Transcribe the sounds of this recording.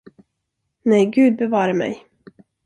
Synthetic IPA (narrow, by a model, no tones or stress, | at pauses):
nɛjɡʉ̟ːd̪̚bɛvɑːɾamɛ̰j